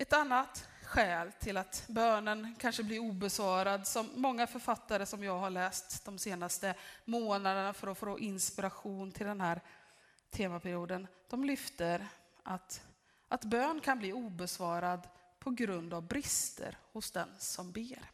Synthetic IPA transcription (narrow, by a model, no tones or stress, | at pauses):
ɛt̪anːat̪ | ɧɛːlt̪ʰɪlat̪bøːnənkʰanʂəbliːɾuːbɛsvɑːɾad̪sɔmːɔŋːafœɾfat̪ːaɾəsɔmjɑːɡɦaɭɛːst̪d̪̥ɔmseːnast̪əmoːnad̪ənafœɾɔfɾoʔɪnspɪɾaɧuːnt̪ʰɪld̪ɛnhæːɾ | t̪ʰeːmapʰæɾɪuːd̪ənd̪̥ɔmlʏft̪əɾ | ʔat̪ | ʔat̪bøːnkʰanbliːuːbɛsvɑːɾad̪ | pʰɔɡɾɵnd̪avbɾɪst̪ʰə̰ɾhʊsd̪ɛ̰nsɔmbeːɾ